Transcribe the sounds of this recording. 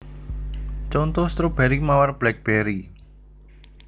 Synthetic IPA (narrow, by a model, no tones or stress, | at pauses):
t͡ʃɔnt̪ɔst̪ɾob̥ɛɾimawarb̥lɛk̚b̥ɛɾi